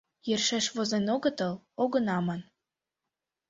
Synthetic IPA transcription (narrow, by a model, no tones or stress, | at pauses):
jerʃeʃβozenoɣə̆t̪ə̆loɣə̆nɑmən